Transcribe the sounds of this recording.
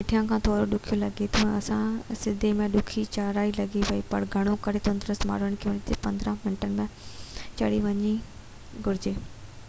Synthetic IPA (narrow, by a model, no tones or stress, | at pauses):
ɪʈʰijãkʰãːt̪ʰoːɾoɗʊkʰijolɐɡet̪ʰõɐsãsɪd̪ʱemẽɗʊkʰit͡ɕaːɾaːilɐɡiʋɐipɐ̰ɽɡʱɐɽ̃okɐɾet̪õːnd̪ɾəsma̰ːɽəɽ̃kʰeʋɐɲt̪epɐ̃nd̪ɾãmɪɳʈənɪ̆mẽt͡ɕɐɽiʋɐɲi | ɡʱʊɾɪd͡ʑeː